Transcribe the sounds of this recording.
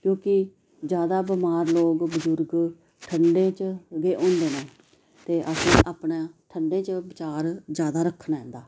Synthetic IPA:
kjõːkɪ | d͡ʒjaːd̪aːbɪmaːɾloːɡbəd͡ʒʊɾɡ | ʈʰəɳɖẽːt͡ʃɡeːʔõːnd̪eːnẽː | t̪eːʔəsĩːʔaːpnaːʈʰəɳɖẽːt͡ʃəbɪt͡ʃaːɾd͡ʒjaːd̪aːɾəkʰːnaːɦɛ̃ːnd̪aː

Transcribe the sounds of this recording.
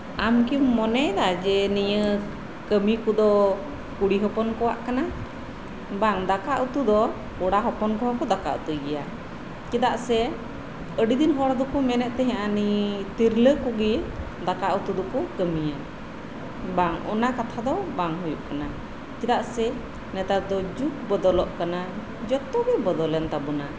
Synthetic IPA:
amkimːɔnɛd̪ad͡ʒɛnijə | kəmikud̪ɔ | kuɽiɦɔpɔnkɔwa̰ʔkana | baŋd̪akaʔut̪ud̪ɔ | uɽaɦɔpɔnkɔwakɔd̪aka̰ʔut̪ujɡɛja̰ | t͡ʃɛd̪aʔsɛ | əɖid̪inɦɔɽd̪ɔkumɛnɛʔt̪ɛɦɛ̃ʔanit̪iɾləkuɡɛ | d̪akaʔut̪ud̪ɔkɔkəmija | baŋɔ̰nakat̪ʰad̪ɔbaŋɦujṵʔkana | kid̪aʔsɛ | nɛt̪at̪̚d̪ɔd͡ʒuk̚bɔd̪ɔlɔʔkana | d͡ʒɔt̪ɔbɛbɔd̪ɔlɛnt̪abuna

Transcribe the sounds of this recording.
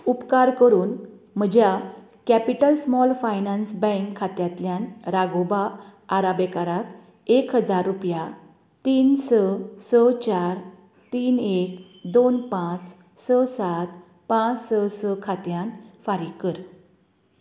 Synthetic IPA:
upkaɾkəɾuːn | m̤əd͡ʑja | kɛpiʈəlsmɔlfajnãnsbə̃ŋkʰːat̪jat̪ljãnɾaɡobaːɾabekaɾak̪ | ekɦəd͡zaɾːupja | t̪iːnsəsət͡ɕaɾ | t̪iːnek | d̪onpãt͡s | səsat̪ | pãt͡ssəsəkʰat̪jãnt̪faɾikəɾ

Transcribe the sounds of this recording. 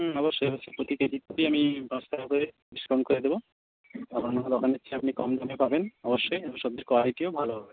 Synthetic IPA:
ɔboɾʃːojbasipɾot̪iket̪it̪̚koɾiamipɔst̪ʰabkoɾe | biʃkɾonkoɾed̪ebo | amanɔŋod̪ɔkʰanet͡ʃʰeapnikɔmd̪ʱamepabenɔboʃːojeoŋʃɔbd̪eɾkɔaɦiʈiobʱaloɦɔbe

